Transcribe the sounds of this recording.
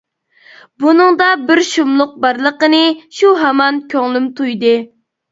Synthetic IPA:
bunɨŋd̪ɑbɪɾʃumlˠʊq̚bɑɾlˠəqənɨʃuɦɛmɑnkʲʰøŋlˠymt̪ʰujd̪ɨ

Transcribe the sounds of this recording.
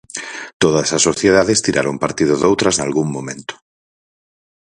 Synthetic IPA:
t̪oðasasːoθjeðaðest̪iɾʔaɾompaɾt̪iðoðowt̪ɾaznalɣuŋmõmẽnt̪o̥

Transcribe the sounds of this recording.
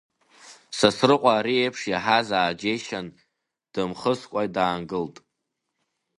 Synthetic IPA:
sasrɨqʷʼaːɾiejpʰʂjaħazaːd͡ʒeʃan | d̥ɨmχəskʷʼajdaːnɡɨltʼ

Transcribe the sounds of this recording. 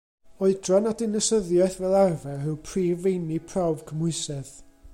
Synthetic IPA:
ɔɨdrɔnadɪnəsəðjajθvɛlˠarvɛɨwpʰriːvejnipʰrawv̥kʰəmʊɨsɛð

